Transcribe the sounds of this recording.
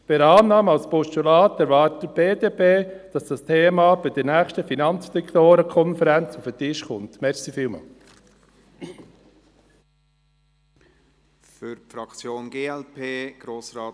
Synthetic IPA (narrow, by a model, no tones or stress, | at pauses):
b̥ɪɾɑːnːɑːməɑlspɔʃtulɑːtɛɾvɑːɾtəb̥eːdeːpeːd̥ɑsd̥ɑstʰeːmɑb̥ɪd̥əɾnɛːxʃtəfinɑnt͡sfɛktoːɾəkʰɔnfəɾɛnt͡sufətɪʃkʊntmɛɾxsifiːlmɑ̰ | fyɾfɾɑkt͡sjoːnɡeːɛlpʰeːɡ̥ɾoːsɾɑː